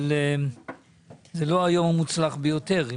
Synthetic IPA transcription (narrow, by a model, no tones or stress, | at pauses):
le | zelo̞ajo̞mamut͡slaχbejo̞t̪e̞ʁi